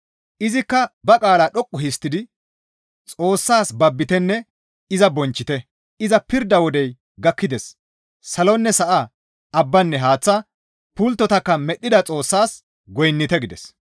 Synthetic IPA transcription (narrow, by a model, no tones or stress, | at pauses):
ʔɪzɪkːɐbɐkʼaːlaɗɔkʼːʊhɪst̪ɪd̪ɪ | t͡sʼo̞ːsːaːsbɐbːɪt̪ɛnːɛ | ɪzɐbɔnt͡ʃːɪt̪ɛ | ɪzɐpɪɾd̪ɐwɔd̪ɛj | ɡɐkːɪd̪ɛsː | ɐlɔnːɛsɐʔɐ | ɐbːɐnːɛɦaːt͡sːɐ | pʊlt̪ːɔt̪ɐkːɐmɛɗːɪd̪ɐt͡sʼo̞ːsːaːs | ɡɔjnːɪt̪ɛɡɪd̪ɛ̰s